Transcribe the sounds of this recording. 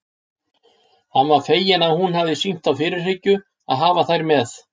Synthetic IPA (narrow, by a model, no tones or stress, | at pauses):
hanːvaɾ̥feːjɪnaðhunhavðɪsiŋ̥t̪awfɪːɾɪɾ̥ɪcːʏ | a̰ðɦaːvaθajɾmɛθ